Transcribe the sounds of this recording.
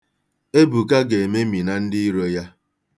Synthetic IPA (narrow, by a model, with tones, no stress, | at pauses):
e˦bu˨ka˦ɡe˨me˦mi˨na˨n̩˦dɪ˦i˦ɾo˦ja˦